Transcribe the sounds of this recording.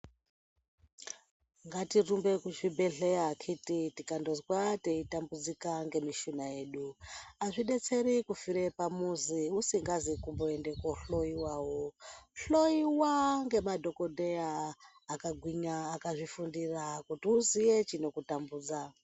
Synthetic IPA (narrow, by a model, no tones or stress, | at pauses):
ŋɡatirumbe̞kuʐibʱeɮejakʰititikandozwateitambud͡zikaŋɡe̞miʃunaje̞ːɗuaʐiɗe̞t͡se̞ɾikufiɾepamuziusiŋɡazikumboende̞koɬo̞iwaːwoɬo̞iwaŋɡe̞madʱo̞ko̞dʱeaː | kaɡʱwiɲaːkaʐifundirakutiuzijet͡ʃino̞kutambuːd͡za